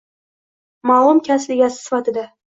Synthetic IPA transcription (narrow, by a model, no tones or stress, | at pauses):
malˠʊmkʲʰaslɪɡʲasɪ̥sɪfat̪ɪd̪a